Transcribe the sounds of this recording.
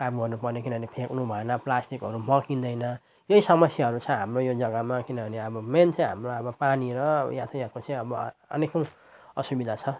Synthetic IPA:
kamɡʌrnupʌrnekinʌbʱʌnepʰeknubʱʌenʌplasʈikɦʌɾumʌkind̪ʌjnʌ | jojsʌmʌsjaɦʌɾut͡sʰʌ̃ɦamrojod͡zʌɡʌmakinʌbʱʌneʌbʌment͡sʌ̃j̃ɦamroʌbʌpaniɾʌ̰jat̪ʰjãt̪kosʰiʌbʌʌ̰nekʌ̃w̃ | ʌsubid̪ʱat͡sʰʌ

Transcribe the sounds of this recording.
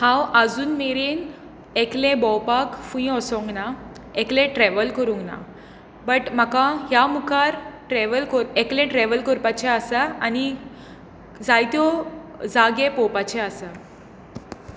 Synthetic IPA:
hãwəd͡zuːnmeɾen | eklẽbɔwpakfuĩɔsɔ̃ŋɡna | eklẽʈɾɛʋəlkəɾũŋɡna̰ | bəʈm̤akãɦjamukaɾʈɾɛʋəlkəɾeklɛ̃ʈɾɛʋəlkəɾpat͡ɕɛasəani | d͡zajt̪jɔd͡zaɡepɔpat͡ɕeasə

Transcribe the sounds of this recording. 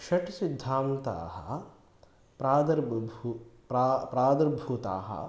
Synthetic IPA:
ʃɐʈsid̪ʱːaːmt̪a̰ːhɐ̰ | pɾaːd̪ɐɾbu | apɾaːd̪ɐɾbʱuːt̪a̰ːɦɐ̰

